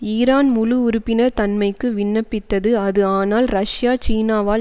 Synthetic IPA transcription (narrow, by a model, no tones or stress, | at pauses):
iːɾaːnmʊlʊʊɾʊpːɪnɐɾt̪ɐnmɐɪkːɯʋɪɳːɐpːɪt̪ːɐðɯɐðɯaːnaːlɾɐʂjaːt͡ʃiːnaːʋaː